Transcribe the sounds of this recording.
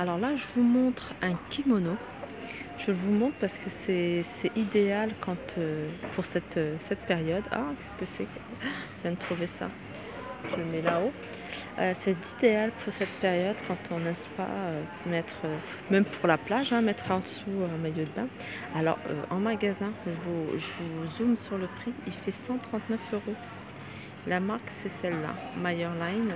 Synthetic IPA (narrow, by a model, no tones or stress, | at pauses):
alɔʁlaʒəvumɔ̃t̪χɛ̃kʲimɔno | ʒ̥əvumɔ̃t̪χpaʁsə̥kəsɛsɛʔid̪ealkʰɑ̃t̪ʰøpʰuʁsɛt̪øsɛt̪̚peʁjɔd̪a̰kʲɛ̥skəsɛk | ʒvjɛ̃nt̪χuvesa̰ | ʒəmɛlao | øsɛt̪id̪ealpʰuʁsɛt̪̚peʁjɔd̪kɑ̃t̪ʰɔ̃nɛspa̰ø | mɛt̪χø | mɛmpʰuʁlaplaʒɛ̃mɛt̪χɑ̃d̪əsuø̃majod̪əbɛ̃ | alɔ̰ʁø̰ʔɑ̃maɡʲazɛ̃ʒəvuʒəvuzumsyʁləpχiilfɛsɑ̃t̪χɑ̃t̪nœføʁo | lamaʁksɛsɛlːa̰majœʁlajn